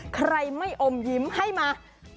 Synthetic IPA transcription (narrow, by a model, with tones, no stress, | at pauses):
kʰɾa˧jma˥˩jʔo˧mji˨˦mha˥˩jmaː˧